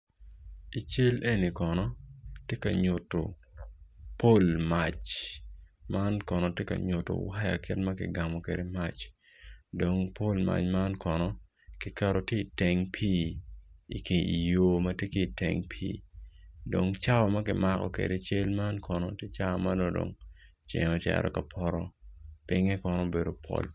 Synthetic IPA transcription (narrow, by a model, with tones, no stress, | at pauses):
i˨t͡ʃe˦le˦ni˨kɔ˨nɔ˦tje˦ka˨ɲu˨tːo̰˨ | po˦lma˨t͡ʃ | ma˦nkɔ˨nɔ˨tje˦ka̰˨ɲʊ˨to̰˨wa˦ja̰˨kɪ˦tma˦kɪ̰˨ɡa˨mɔ˨kḛ˨de˨ma˦˨t͡ʃ | do˨ŋpo˦lma̰˨t͡ʃma˦nkʰɔ˨nɔ˦ | kɪ˨kɛ˦ɾo˨tje˦i˨te˨ŋpʰiː˦ | ḭ˨ke˨i˨jo˨mɐ˦tje˦ki˦i˨tḛ˨ŋpʰiː˦ | do˨ŋt͡ʃa˦ɔ˨ma˦kɪ˦ma˦kɔ̰˨kḛ˨de˨t͡ʃe˦lma˦nkʰɔ˨nɔ˦tje˦t͡ʃa˦˨ma˦no˦do̰˨ŋ | t͡ʃḛ˨ŋɔ˦tɛ̰ɾɔ̰˨ka˨pʰɔ˦ɾɔ˦pɪ˦ŋɛ˦kɔ˦nɔ˦be˨do˨pʰo̰˦l